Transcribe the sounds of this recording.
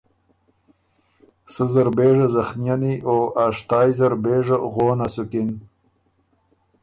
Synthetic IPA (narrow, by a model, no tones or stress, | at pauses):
suzaɾbeːʐazaxmijaniʔoaʂt̪ɑːjzaɾbeːʐaɣoːnasukin